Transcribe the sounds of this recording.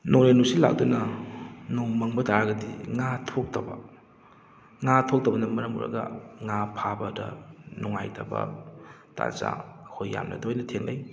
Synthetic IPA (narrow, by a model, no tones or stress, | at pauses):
noɾenusila̰ɡ̚dunɐnoŋmɐŋbɐtaɾɡɐdiŋatʰok̚tɐbɐ̰ | ŋatʰok̚tɐbɐnɐmɐɾɐmṵɾɐ̰ɡɐ̰ŋapʰabɐdɐ̰nuŋajtʰɐbɐ̰ta̰za̰kʰojːa̰mla̰dɐhojnɐtʰeŋla̰j